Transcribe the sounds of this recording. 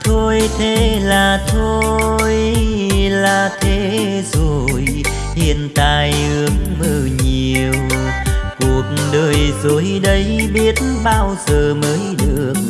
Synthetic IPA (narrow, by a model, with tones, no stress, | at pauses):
t̪ʰo˧jt̪ʰe˨˦laː˨˩t̪ʰo˧j | laː˨˩t̪ʰe˨˦ | zo˨˩j | ɗi˧˨ənt̪aː˧˨˩jhɨ˨˦əŋməː˧˩ɲi˨˩əw | ku˨˩ək̚ɗəː˧˩jzo˨˩˦jɗə˨˦jɓi˨˦ət̚nɓaː˧wzəː˨˩məː˨˦jɗɨ˨˩əək̚